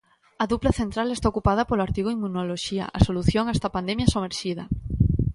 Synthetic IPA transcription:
ɐðuplɐθent̪ɾalest̪aokupað̞ɐpoloaɾt̪iɣoimːunoloʃiɐ̰ʔasoluθjoŋast̪apand̪emjɐsomeɾʃið̞ɐ

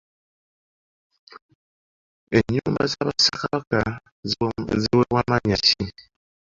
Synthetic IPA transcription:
eɲumbazabasakabaka | zewewamaɲat͡ʃi

